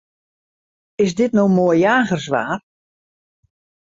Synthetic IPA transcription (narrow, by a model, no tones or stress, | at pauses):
ɪs̬dɪtnowmoːjjaːɣərsʋa̰ːr